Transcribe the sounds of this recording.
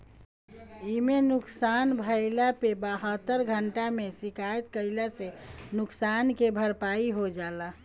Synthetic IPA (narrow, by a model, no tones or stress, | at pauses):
imenuksanbʱəɪlapebaɦət̪ːəɾɡʱəɳʈamesikaet̪kəɪlasenuksankebʱəɾpaiɦod͡ʒala